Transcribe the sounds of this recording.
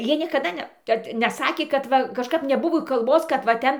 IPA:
ˈjiɛ nʲiɛkɐˈdɐ ˈnʲɛ kɐt nʲɛˈsɑːkʲeː kɐt ˈʋɐ kɐʃˈkɐp nʲɛˈbʊʋoː kɐlˠˈboːs kɐt ʋɐ ˈtʲɛn

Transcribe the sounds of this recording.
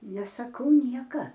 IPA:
nʲɛsɐˈkɐʊ ˈnʲiɛkɐ

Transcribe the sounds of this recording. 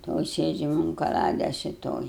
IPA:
ˈtoːj ˈsʲeːd͡ʒʲɛm ʊn kɐˈlˠɑːdʲɛs ɪ ˈtoːj

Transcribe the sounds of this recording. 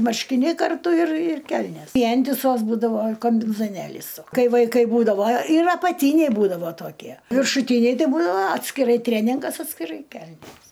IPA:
mɐrʲʃʲkʲɪˈnʲɛɪ kɐrˈtʊ ɪr ɪr ˈkʲɛlʲnʲeːs ˈʋʲiɛnʲtʲɪsoːs ˈbuːdɐʋoː kɐmʲbʲɪnzoːˈnʲeːlʲiːs ˈkɐɪ ʋɐɪˈkɐɪ ˈbuːdɐʋoː ɪr ɐpɐˈtʲiːnʲɛɪ ˈbuːdɐʋoː toːˈkʲiɛ ʋʲɪrʃʊˈtʲiːnʲɛɪ ˈtɐɪ ˈbuːdɐʋoː ɐtʲsʲkʲɪˈrɐɪ ˈtʲrʲeːnʲɪŋɡɐs ɐtʲsʲkʲɪˈrɐɪ ˈkʲɛlʲnʲeːs

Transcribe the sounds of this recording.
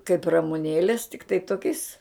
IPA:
kɐɪp rɐmʊˈnʲeːlʲeːs tʲɪkˈtɐɪ ˈtoːkʲɛɪs

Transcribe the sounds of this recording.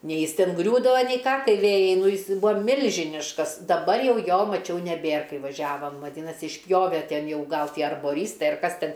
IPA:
ˈnʲɛɪ ˈjɪs ˈtʲɛn ˈɡrʲuːdɐʋɐ nʲɛɪ ˈkɑː ˈtʲiɛ ˈʋʲeːjɛɪ ˈnuː ˈjɪs ˈbʊʋoː ˈmʲɪlʲʒʲɪnʲɪʃkɐs dɐˈbɐr ˈjɛʊ ˈjoː mɐˈt͡ʃʲɛʊ nʲɛˈbʲeːr ˈkɐɪ ʋɐˈʒʲæːʋɐm ʋɐˈdʲiːnɐsʲɪ ɪʃʲˈpʲjoːʋʲɛ ˈtʲɛn ˈjɛʊ ˈɡɐlˠ ˈtʲiɛ ɐrboːˈrʲiːstɐɪ ɐr ˈkɐs ˈtʲɛn

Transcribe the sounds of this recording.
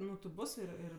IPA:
nʊ tʲɪ ˈbʊs ɪr ˈɪr

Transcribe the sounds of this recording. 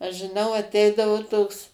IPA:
ɐʃ ʒʲɪˈnɐʊ ɐˈtʲɛɪdɐʋʊ ˈtoːks

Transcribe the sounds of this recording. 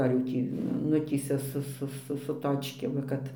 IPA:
ɐr jɛʊ ˈtʲiː ˈnʊtʲiːsʲɛ sʊ ˈsʊ ˈsʊ sʊ ˈtoːt͡ʃʲkʲeːm ʋɐ ˈkɐt

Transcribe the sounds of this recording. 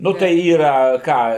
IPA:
ˈnʊ tɐɪ ˈiːrɐ ˈkɑː

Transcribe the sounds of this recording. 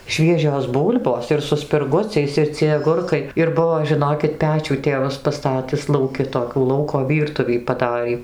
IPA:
ˈʃʲʋʲiɛʒʲoːs ˈbuːlʲboːs ɪr sʊ sʲpʲɪrˈɡʊt͡sʲɛɪs ɪr t͡sʲiɛj ɐˈɡʊrkɐɪ ɪr ˈbʊʋoː ʒʲɪˈnoːkʲɪt ˈpʲæːt͡ʃʲuː ˈtʲeːʋɐs pɐˈstɑːtʲɪs lˠɐʊˈkʲɪ toːˈkʲuː ˈlˠɐʊkoː ˈʋʲiːrtʊʋʲiː pɐˈdɑːrʲiː

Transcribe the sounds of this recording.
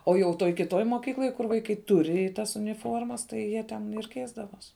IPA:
oː jɛʊ ˈtoːj kʲɪˈtoːj moːˈkʲiːklˠoːj kʊr ʋɐɪˈkɐɪ ˈtʊrʲɪ ˈtɐs ʊnʲɪˈfoːrmɐs tɐɪ ˈjiɛ tʲɛn ɪr ˈkʲɛɪzdɐʋoːs

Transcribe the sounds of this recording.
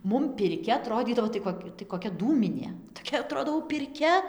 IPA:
ˈmʊm pʲɪrʲˈkʲɛ ɐˈtroːdʲiːdɐʋoː tɐɪ ˈkoːkʲ tɐɪ koːˈkʲɛ ˈduːmʲɪnʲeː toːˈkʲɛ ɐˈtroːdoː jɛʊ pʲɪrʲˈkʲɛ

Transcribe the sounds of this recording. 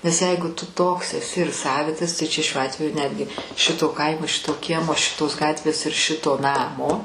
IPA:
nʲɛs ˈjɛɪɡʊ tʊ ˈtoːks ɛˈsʲɪ ɪr ˈsɑːʋʲɪtɐs tɐɪ t͡ʃʲɛ ʃʲuɔ ˈɑːtʲʋʲɛjʊ ˈnʲæːdʲɡʲɪ ˈʃʲɪtoː ˈkɐɪmoː ˈʃʲɪtoː ˈkʲiɛmoː ˈʃʲɪtoːs ˈɡɑːtʲʋʲeːs ɪr ˈʃʲɪtoː ˈnɑːmoː

